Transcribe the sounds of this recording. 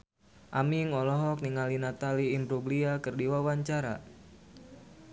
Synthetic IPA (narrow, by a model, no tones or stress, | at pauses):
ʔamiŋɔlɔɦɔk̚niŋalinat̪aliːmbɾuɡliakərdiwawaɲt͡ʃaɾa̰